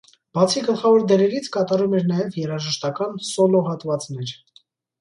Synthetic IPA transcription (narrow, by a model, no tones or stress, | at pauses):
b̥ɑt͡sʰiɡəlχɑvɔɾd̪ɛɾɛɾit͡sʰkɑt̪ɑɾumɛɾnɑjɛvjɛɾɑʒəʃt̪ɑkɑnsɔlɔɦɑt̪vɑt͡sn̪ɛɾ